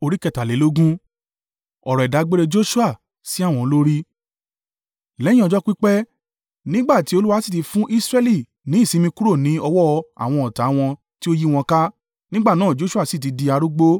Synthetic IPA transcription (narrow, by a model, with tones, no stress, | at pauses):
o˧ɾi˦kɛ˦˨ta˨le˨˦lo˦ɡũ˦ | ɔ˨ɾɔ˨ɛ˨da˨˦ɡ͡be˦ɾe˧d͡ʒo˦ʃu˦a˦˨ | si˦a˦˨w̃ɔ̃˧lo˦ɾi˦ | lɛ˦jĩ˦ɔ˧d͡ʒɔ˦k͡pi˦k͡pɛ˦ | nĩ˦ɡ͡ba˦˨ti˨˦o˧lu˦wa˧˦si˦˨ti˨˧fũ˦ʔi˦sɾɛ˦li˦˨ | nĩ˨˦˨si˨˦mĩ˧ku˦ɾo˦˨nĩ˨˦ɔ˧wɔ˦˧a̰˨w̃ɔ̃˧ɔ˨ta˨˦w̃ɔ̃˧ | ti˦o˦ji˦w̃ɔ̃˧ka˦ | nĩ˦ɡ͡ba˦˨nãː˦˨d͡ʒo˦ʃu˦a˦˨si˦˨t̬i˨˧di˧a˧ɾu˦ɡ͡bo˦